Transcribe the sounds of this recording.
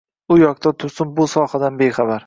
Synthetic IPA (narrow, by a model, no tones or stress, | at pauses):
ʊjɒkt̪ʰat̪ʰʊsʊmbʊsɒhad̪anbeχɑbaɾ